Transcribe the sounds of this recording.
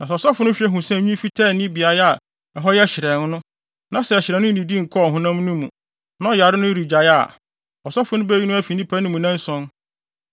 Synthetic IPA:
nã˨sɔ˨sa˦fʊ˨˦nʊ̃˦ɕᶣɛ˦ɦʊ̃˨sɛ̃˦˨ɲũ˦fi˦tʰaː˦˨nĩ˦bi˨a˨ja˨ | ɛ˨ɦɔ˦jɛ˦ɕɪ˨ɾɛ˨nʊ̃˦nʊ̃˦ | nã˦sɛ˨ɕɪ˨ɾɛ˨n˦ʊ̃˦˨nĩ˨di˦ŋ̩˨kʰɔ˦˨ɦʊ̃˨nã˦m˦nũ˦mũ˨ | nã˦ɔ˨ja˨ɾɪ˦nʊ̃˦ɾi˨d͡ʑa˨ja˦˨ | ɔ˨sa˦fʊ˦nʊ̃˦bɛ˦i˦nʊ̃˦æ˦fi˨nĩ˦pʰa˦nʊ̃˦mũ˨nã˦n˦sɔ̃˦n

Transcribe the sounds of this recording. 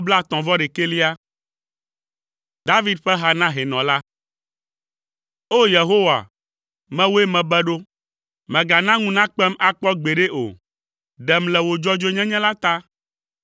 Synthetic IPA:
bla˦˨t̪ɔ̃˨vɔ˦ɖe˨ke˦li˦a˦ | d̪a˦vi˦d̪̚ɸɛ˦ɦa˦nã˦ɦe˨nɔ̃˨la˦ | o˦je˨ɦo˦wa̰˨ | mɛ̃˦wo˦e˦mɛ̃˨bɛ˦ɖo˦ | mɛ̃˨ɡa˨nã˦ŋũ˦nã˦k͡pɛ˦ma˦k͡pɔ˦ɡ͡be˨ɖe˦ʔo̰˨ | ɖɛ˨mlɛ˨wo˨d͡ʒɔ˦d͡ʒo˦ɲɛ̃˦ɲɛ̃˦la˦t̪a˦

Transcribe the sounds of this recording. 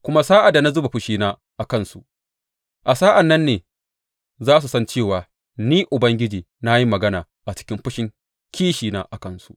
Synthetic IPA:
kʷʊ˦ma˦saː˦ʔa˨da˨na˦zʊ˦ba˨ɸʊ˦ʃiː˦naː˦ | ʔa˨kɐ˦nsu˨ʔ | ʔa˨saː˦ʔa˨nːɐ˦nːeː˨ | zaː˦s̬u˨sɐ˦nt͡ʃeː˦˨waː˨ | niː˦ʔʊ˨bɐ˦ŋɡʲɪ˦d͡ʒiː˨ | na˦ji˦mɐ˨ɡɐ˦naː˨ | ʔa˨t͡ʃɪ̥˦kʲɪ˦mɸʊ˦ʃɪ˨ŋ | kʲiː˦ʃiː˨naː˦ʔa˨kɐ˦˨nsṵ˦ʔ

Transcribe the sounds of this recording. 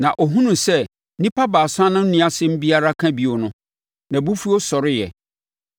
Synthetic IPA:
nã˨ʔɔ˨ɦũ˦nũ˨sɛ˦ | nĩ˦pʰa˦baː˨sʊ˦a˦nʊ̃˦n̩˦nĩ˦a˨sɪ˦m̩˦bi˦a˦ɾa˦kʰã˦bi˨o˨nʊ̃˦ | nã˨bu˦fu˦o˦sɔ˨ɾɪ˦jɛ̰˨

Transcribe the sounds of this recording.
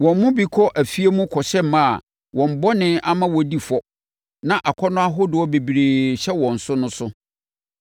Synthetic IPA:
wɔ̃˨m˦mʊ̃˦bi˨kʰɔ˦ʔæ˨fi˦e˦mũ˦kʰɔ˨ɕɛ˦m˦mã˦a˨ | wɔ̃˨m̩˨bɔ˦nɪ̃˦a˦mã˦wɔ˨di˨fɔ˦ | nã˦˨ʔa˨kʰɔ˦nʊ̃˦a˦ɦʊ˦dʊ˨˦ɔ˦be˨bi˨ɾe˨ɕɛ˦wɔ̃˨n̩˨sʊ˦nʊ̃˦sʊ˦

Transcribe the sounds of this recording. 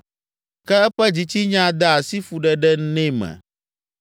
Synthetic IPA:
kɛ˦ɛ˦ɸɛ˦d͡ʑi˨t͡ɕi˦ɲã˦d̪a˦a˨si˦fu˨ɖɛ˨ɖɛ˦n˦nɛ̃˦mɛ̰̃˨

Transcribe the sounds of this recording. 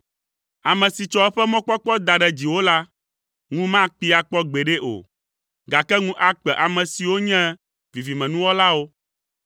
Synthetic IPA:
a˨mɛ̃˨si˨t͡ʃɔ˨˦ɛ˦ɸɛ˦mɔ̃˦k͡pɔ˦k͡pɔ˦d̪a˨ɖɛ˦d͡ʑi˨wo˦la˦ | ŋũ˦mã˦k͡pi˦a˨k͡pɔ˦ɡ͡be˨ɖe˦ʔo̰˨ | ɡa˨kɛ˦ŋũ˦ʔa˦k͡pɛ˨ʔa˨mɛ̃˨si˨wo˦ɲɛ̃˦ | vi˨vi˨mɛ̃˨nũ˦wɔ˦la˦wo˦

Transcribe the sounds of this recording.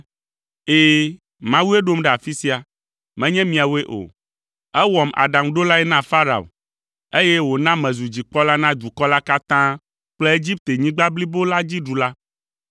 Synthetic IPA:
eː˦ | mã˦wu˦e˦ɖo˦mɖɛ˨a˨fi˦si˦a˨ | mɛ̃˦ɲɛ̃˦mĩ˨a˨we˦ʔo̰˨ | ɛ˦wɔ˨ma̰˨ɖã˨mɖo˦la˦ɛ˦nã˦˨fa˦ɾa̰˨o̰˨ | e˦jɛ˦wo˨nã˦mɛ̃˨zu˨d͡ʑi˨k͡pɔ˦la˦nã˦d͡ʒ̪u˨kɔ˦la˦ka˦t̪ã˦ | k͡ple˦e˦d͡ʑi˦p̚t̪e˨ɲĩ˦ɡ͡ba˦bli˦bo˦la˦d͡ʑi˦ɖu˨la˦

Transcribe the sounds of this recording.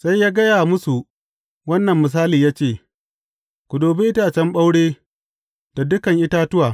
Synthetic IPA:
sa˦jːaː˦ɡɐ˦jaː˨mʊ˦su˨ | wɐ˦nːɐ˨mːʊ˨s̬aː˦liː˨jaː˦t͡ʃeː˦˨ | kʷʊ˨doː˨be˦ʔɪ˦taː˦˨t͡ʃɛ˦mɓa˦wɽeː˦ | d̥a˨dʊ˦kɐ˨ŋʔɪ˦taː˦tʊ˦waː˨

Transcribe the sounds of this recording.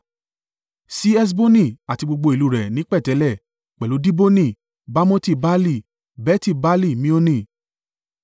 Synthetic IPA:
si˦ɛ˦s̬bo˦nĩ˦˨a˨ti˧ɡ͡bo˧ɡ͡bo˧i˨lu˨˦˨ɾɛ˨nĩ˨˦k͡pɛ˦˨tɛ˨˦lɛ˦˨ | k͡pɛ˨lo˨˦di˦bo˦nĩ˦˨ | ba˦mɔ̃˦ti˦˨ba˦li˦˨ | bɛ˦ti˦˨ba˦li˦˨mĩ˦o˦nĩ˦˨

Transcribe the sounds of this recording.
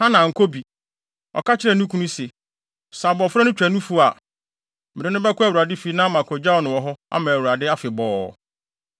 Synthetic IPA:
hã˦nã˨ŋ̩˨kʰo˦bi˨ | ɔ̰˨kʰa˦t͡ɕʰɪ˦ɾɛ˨nũ˦kʰũ˦nũ˦se˨ | sã˨bɔ˨fʊ˦ɾɔ˦nʊ̃˦t͡ɕᶣæ˨nũ˦fu˦˨a˨ | mɪ˨ɾɪ˨˦nʊ̃˦bɛ˦kʰʊ˦æ˨wu˨ɾa˨dɪ˦fi˨˦nã˦mã˨kʰɔ˨d͡ʑa˦ɔ˨nʊ̃˨wɔ˨ɦɔ˦a̰˦mãː˨wu˨ɾa˨dɪ˦a˦fɪ˨bɔː˨˦

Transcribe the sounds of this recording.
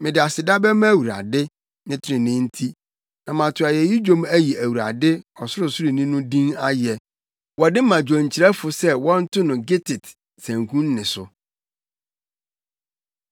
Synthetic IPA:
mɪ̃˨dɪ˨a˨sɪ˨da˦bɛ˦mã˦˨wu˨ɾa̰˨dɪ˦ | nɪ̃˦tʰɪ˦ɾɪ̃˨nɪ̃˦n̩˦tʰi˦ | nã˨mã˨tʰʊ˨a˨jɛ˨ji˦d͡ʑᶣõ˦mæ˦ji˨æ˨wu˨ɾa̰˨dɪ˦ɔ˨sʊ˦ɾʊ˨sʊ˦ɾi˨nĩ˦nʊ̃˦dĩ˦na˦jɛ˨ | wɔ˨dɪ˦mã˨d͡ʑᶣɔ̃˨ɲ̩˨t͡ɕɪ˨ɾɛ˦fʊ˨sɛ˦wɔ̃˦n̩˦tʊ˦nʊ̃˨ɡe˦tʰɪ˨t | sæ̃˨ŋkʰũ˦nː˦ɪ̃˨sʊ˨

